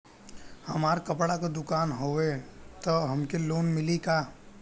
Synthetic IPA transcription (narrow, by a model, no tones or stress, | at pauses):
hɐmaːɾkɐpɽakad̪ʊkaːnɦoːet̪ɔɦɐmkeloːnmɪlikaː